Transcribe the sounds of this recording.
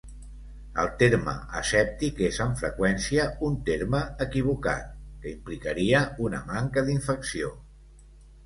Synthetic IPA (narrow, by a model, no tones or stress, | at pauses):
ə̰lˠt̪eɾmə̰əsɛp̚t̪ikezəɱfɾəkwɛnsiəunt̪eɾməəkiβ̞uka̰t̪̚kəimplikəɾiəunə̰maŋkəðiɱfəksio